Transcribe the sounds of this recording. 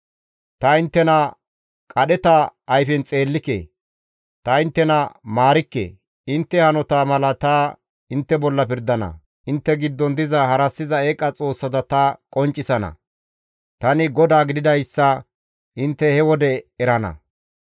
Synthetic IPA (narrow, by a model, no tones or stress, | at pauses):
t̪ɐɪnt̪ːɛnɐ | kʼɐɗɛt̪ɐːjfɛnt͡sʼe̞ːlːɪkːḛː | t̪ɐɪnt̪ːɛnɐmaːɾɪkːḛː | ɪnt̪ːɛhɐnɔt̪aːmɐlɐt̪a | ɪnt̪ːɛbɔlːɐpɪɾd̪ɐnɐ̰ | ɪnt̪ːɛɡɪd̪ːɔnd̪ɪzɐhɐɾɐsːɪzɐeːkʼːɐt͡sʼo̞ːsːɐt̪ɐt̪ɐkʼɔnt͡ʃʼːɪsɐnɐ̰ | t̪ɐnɪɡɔd̪aːɡɪd̪ɪd̪ɐjsːɐ | ʔɪnt̪ːɛhɛwɔd̪ɛɛɾɐnɐ̰